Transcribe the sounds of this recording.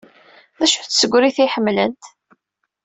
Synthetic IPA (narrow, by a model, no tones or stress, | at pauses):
ðæʃuθsəɡʷːɾiθiħəmːlənt̪